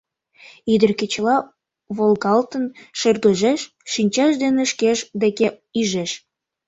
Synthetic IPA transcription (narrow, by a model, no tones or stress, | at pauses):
id̪ərket͡ɕəlɑ | βolɣɑlt̪ənʃerɣəʒeʃ | ʃinʲt͡ɕɑʃd̪eneʃkeʃd̪eke | yʒeʃ